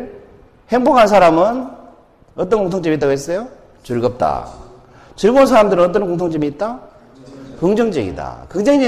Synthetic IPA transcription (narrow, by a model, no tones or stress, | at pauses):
he̞ŋbokʰansʰaɾamɯn | ʌt͈ʌnkoŋtʰoŋt͡ɕimit͈aɡoɦes͈ʌjo | t͡ɕuɭɡʌp̚t͈a̰ | t͡ɕɯɭɡonsʰaɾamdɯɾɯnʌt͈ʌnkoŋtʰoŋt͡ɕ͈imiːt̚t͈a | kɯŋd͡ʑʌŋd͡ʑʌɡḭda̰kɯŋd͡ʑeŋid͡ʑi